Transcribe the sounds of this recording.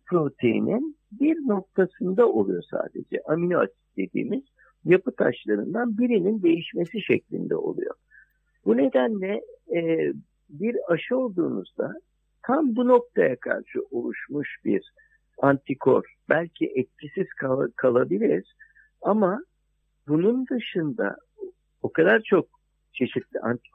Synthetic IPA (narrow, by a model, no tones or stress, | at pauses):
pʰɾo̞t̪ʰejḭnʔin | biɾno̞k̚t̪ʰasɯnd̪ao̞lˠujo̞sa̰ːd̪e̞̰d͡ʒɛ̰ʔaminoa̰t̪i̥t̪d̪̥e̞d̪ḭːmiz̥ | japɯt̪ʰa̰ʃlˠaɾɯnd̪anbiɾinind̪e̞jiʃme̞siʃɛclʲḭnd̪ɛ̰o̞̰lˠṵjo̞̰ | bune̞d̪ænlʲɛ | biɾaʃɯo̞lˠd̪uːnṵzd̪a̰ | t̪ʰambuno̞k̚t̪ʰajakʰa̰ɾʃɯʔolˠuʃmuʃb̥ḭɾ | ant̪ʰikʰo̞̰ɾ | bælʲcʰḭʔɛt̪̚cʰisiz̥kʰakʰalˠabilʲiɾ̥ | ama | bunund̪ɯʃɯnd̪a̰ | o̞kad̪aɾt͡ʃʰo̞k̚ | t͡ʃʰe̞ʃit̪lʲiʔant̪i̥